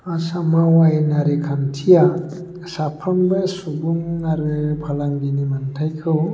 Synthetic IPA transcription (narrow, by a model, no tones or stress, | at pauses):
asamawajnaɾɯkʰantʰija | sapʰambɯsubuŋnaɾɯpʰalaŋɡinimantʰajkʰɯw